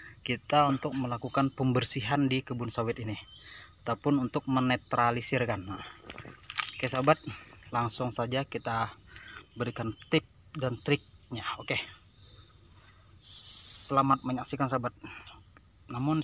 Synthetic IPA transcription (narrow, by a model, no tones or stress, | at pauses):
kit̪aunt̪ʊk̚məlakukanpəmbərsiɦandikəbʊnsawɪt̪ini | it̪apʊnunt̪ʊk̚mənet̪ɾalisɪrkana | okesabat̪̚laŋsʊŋsad͡ʒakit̪a | bəɾikant̪ɾɪp̚ | dant̪ɾɪp̚ɲaoke | səlamat̪̚məɲaksikansabat̪̚ | namʊn